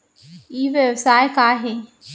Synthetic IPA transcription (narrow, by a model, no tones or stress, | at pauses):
iːʋjeʋsaːjkaːɦe